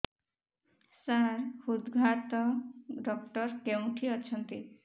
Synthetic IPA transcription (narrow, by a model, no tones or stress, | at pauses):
saɾhud̪ɡʱat̪ɔɖɔk̚ʈɔɾkew̃ʈʰiɔt͡ʃʰɔnt̪i